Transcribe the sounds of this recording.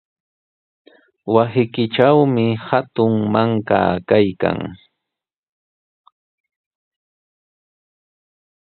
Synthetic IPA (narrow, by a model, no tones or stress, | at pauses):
wasɪkɪʈ͡ʂawmɪhat̪ʊŋmaŋka̰ːkajka̰ŋ